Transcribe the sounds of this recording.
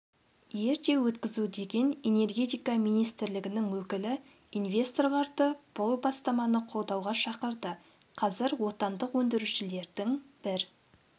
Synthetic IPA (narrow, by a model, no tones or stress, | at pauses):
je̞ɾt̪e̞wɵt̪kʲɪzud̪e̞ɡʲe̞ne̞ne̞rɡʲe̞t̪ijkɑmijnijst̪ɪɾlɪɡʲɪnɪŋwɵkʲɪlɪ | invʲe̞st̪o̞rʁɑɾt̪əb̥ʊlˠbɑst̪ɑmɑnəqʰo̞lˠd̪ɑwʁɑʃɑqəɾd̪ə | qʰɑzɪɾwo̞t̪ɑnd̪əqwɵnd̪ɪɾuʃɪle̞ɾd̪ɪŋb̥ɪɾ